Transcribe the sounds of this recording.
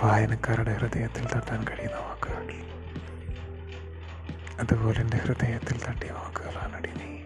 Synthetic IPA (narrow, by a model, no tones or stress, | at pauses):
ʋaːjɐnɐkːaːriɽehrɨd̪ʱɐjɐt̪ːilt̪ɐʈːaːnkɐɻijunːɐʋaːkːɨɣɐ | ɐðubo̞ːleindehrɨd̪ɐjɐt̪ːilt̪ɐʈːiʋaːkːɨɣɐɭaːnɐɽijuni